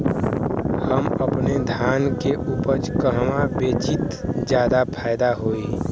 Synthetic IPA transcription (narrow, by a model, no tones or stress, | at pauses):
həməpned̪ʱaːnkeʔuːpəɾt͡ʃkəɦmabeːt͡ʃɪt̪d͡ʒjaːd̪apʰaːɪd̪aɦoi